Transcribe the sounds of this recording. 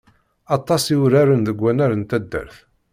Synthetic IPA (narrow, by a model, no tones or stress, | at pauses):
ɑt̪ˤːɑsiɾaɾənðəɡʷːænæɾənt̪æd̪ːə̰ɾθ